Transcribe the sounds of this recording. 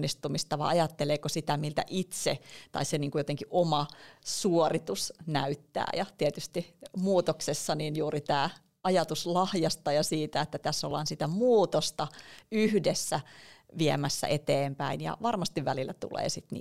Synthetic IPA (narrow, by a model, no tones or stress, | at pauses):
ist̪umist̪ɑʋɑ̰ɑjɑt̪ːeleːkosit̪æmilt̪æ̰ʔit̪set̪ɑ̰iseniːŋkujot̪eŋkiʔomɑsuorit̪usnæyt̪ːæ̰ːjɑt̪iet̪yst̪imuːt̪oksesːɑninjuːɾit̪æː | ɑjɑt̪uslɑhjɑst̪ɑjɑsiːt̪æet̪ːæt̪æsːolːɑ̰ːnsit̪æmuːt̪ost̪ɑyhdesːæʋiemæsːæ̰ʔet̪eːmpæinjɑ̰ʋɑrmɑst̪iʋʋælilːæt̪ṵlḛːsit̪nḭː